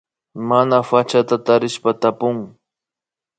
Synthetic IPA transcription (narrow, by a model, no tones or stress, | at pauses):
manafat͡ʃat̪at̪aɾɪʃpat̪apʊŋ